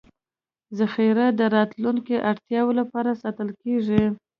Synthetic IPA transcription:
zaxiɾad̪əɾɑt̪luŋkeʔaɽt̪jɑwolapɑɾasɑt̪əlkeʐi

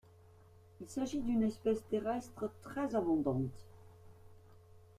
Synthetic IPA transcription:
ilsaʒid̪ynɛspɛst̪eʁɛst̪χət̪χɛzamɔ̃d̪ɑ̃t̪

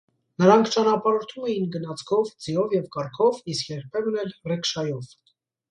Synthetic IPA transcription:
nəɾɑŋkʰt͡ʃɑnɑpɑɾɔɾt̪ʰumɛjinɡənɑt͡sʰkʰɔvd͡zijɔvjɛvkɑɾkʰɔviskjɛɾpʰɛvnɛlrɛkʃɑjɔv

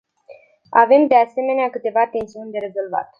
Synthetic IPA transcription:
ave̞md̪e̞ase̞me̞neakɨt̪e̞vat̪e̞nsiunʲd̪e̞ɾe̞zo̞lva̰t̪

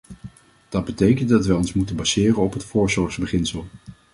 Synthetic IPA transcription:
d̥ɑd̚bətejkəntdɑtʋɛjɔnsmutənbɑzɪːrənɔpɦətfʊːɹzɔɹχzbəχɪnsəlˠ

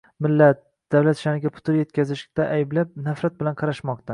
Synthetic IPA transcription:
mɪlːat̪̚ | d̪̥awlat̪ʃanɪɡʲapʰʊ̥t̪ɪɾje̞t̪̚kʲʰazɪʃt̪aʔajɪblap̚nafɾat̪̚bɪlanqʰɑɾaʃmɒq̚t̪ʰa

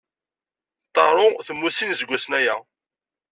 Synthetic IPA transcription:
t̪ˤːɑɾˤoθəmːusinzɡʷːæsnæjæ

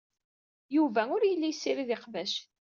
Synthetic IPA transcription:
juvæʊɾjəlːijsːiɾiðɪqvæʃ

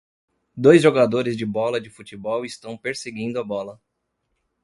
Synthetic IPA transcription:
d̪ojzʒoɡad̪oɾɪzd͡ʒɪbɔlɐd͡ʒɪfut͡ʃibɔwɪst̪ɐ̃w̃peɾseɡĩd̪ʊɐbɔlɐ

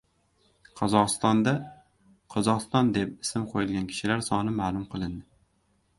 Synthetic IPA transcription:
qʰɒzɒqɨ̥st̪ɒnd̪a | qʰɒzɒqɨst̪ɒnd̪e̞pɪsɪmqʰojɪlˠɡʲankʲʰɪ̥ʃɪlaɾsɒnɪmaːlˠʊmqʰɨlˠɪnd̪ɪ

